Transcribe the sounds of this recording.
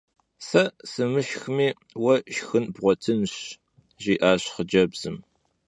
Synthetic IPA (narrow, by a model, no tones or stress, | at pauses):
sɐsɨmɨʃxmiː | wɐʃxɨnbʁʷɔtʰɨnɕ | ʒiːʔaːɕχəd͡ʒɐbz̥ɨm